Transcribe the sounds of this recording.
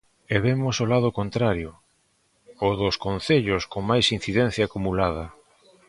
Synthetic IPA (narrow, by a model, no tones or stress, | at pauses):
eβemʊsolað̞ʊkont̪ɾaɾjo | ʊðʊskonθeʎʊskoŋmajsin̟θiðɛn̟θjaːkumulað̞ɐ